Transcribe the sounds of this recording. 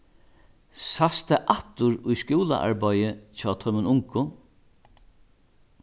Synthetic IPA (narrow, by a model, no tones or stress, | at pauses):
sast̪aʔaht̪ʊɹʊjskuːla̰ʔa̰ɹbajɪt͡ʃʰɔːt̪ʰœmənʊŋkʊ